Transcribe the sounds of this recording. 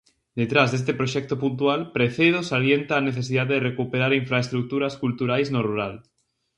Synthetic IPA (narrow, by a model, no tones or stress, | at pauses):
d̪et̪ɾazðest̪epɾoʃɛk̚t̪opunt̪̬ualpɾeθeðosaljent̪aːneθesiðaðeðerekupeɾaɾiɱfɾaest̪ɾuk̚t̪uɾaskult̪uɾajznoruɾal